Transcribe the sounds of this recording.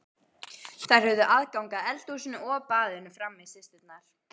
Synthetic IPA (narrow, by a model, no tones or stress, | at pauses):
θajɾ̥hœvðʏʔaðkawŋkaðɛlt̪usɪnʏɔpaːðɪnʏfɾamːɪsɪst̪ʏt̪naɾ̥